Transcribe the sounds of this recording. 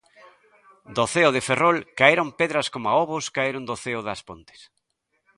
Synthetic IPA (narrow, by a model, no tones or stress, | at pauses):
d̪oθeʊðɪferolkaeɾompeðɾɐskomoaoβʊskaeɾʊnd̪oθeʊðɐspo̰nt̪ɪ̥s